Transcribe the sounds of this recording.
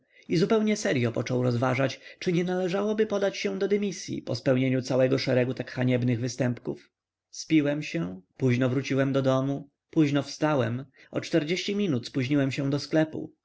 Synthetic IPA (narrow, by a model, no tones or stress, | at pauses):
izupɛwɲɛsɛɾjɔpɔt͡ʂɔwɾɔzvaʐat͡ɕt͡ʂɘɲɛnalɛʐawɔbɘpɔd̪at͡ɕɕɛ̃d̪ɔd̪ɛmʲisʲjḭpɔspɛwɲeɲut̪sawɛɡɔʂɛɾɛɡut̪akxaɲɛbnɘɣvɘst̪ɛmpkṵf | spʲiwɛmɕɛpuʑnɔvɾut͡ɕiwɛmd̪ɔd̪ɔmu | puʑnɔfst̪awɛm | ɔ̰t͡ʂt̪ɛɾd͡ʑeɕt͡ɕimʲinut̪spuʑɲiwɛmɕɛ̃w̃d̪ɔsklɛpṵ